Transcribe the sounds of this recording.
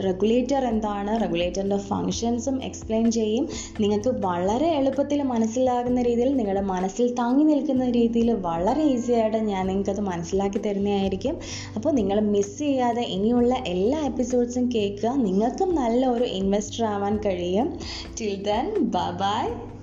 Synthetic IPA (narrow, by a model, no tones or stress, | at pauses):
reɡuɭe̞ːtːɐre̞nd̪aːɳɨre̞ɡuleːtːɐrnde̞fɐ̰ŋkʂɐnsume̞̰kspleːnt͡ɕe̞jːum | niŋːɐɭkːɨʋɐɭɐɾe̞ːɭupːɐt̪ːilmɐnɐsːilaːɣunːɐɾiːðijilniŋːɐɭɽemɐnɐsːilt̪aːŋːinilkːunːɐɾiːðijilʋɐɭɐɾe̞isijaːjiʈːɨɲaːnniŋːɐɭkːɐðɨmɐnɐsːilaːk̬ːit̪ːɐɾunːijaːjiɾikʲːum | ɐpːo̞ːɭniŋːɐɭmist͡ɕejːaːðe̞ʔinijuɭːɐʔe̞lːaːe̞pːiso̞ːɖsumke̞ːkːuɣɐniŋːɐɭkːumnɐlːɐo̞ɾuʔinʋesʈraːʋaːnkɐɻijum | t͡ɕild̪rɐnbaːbaːj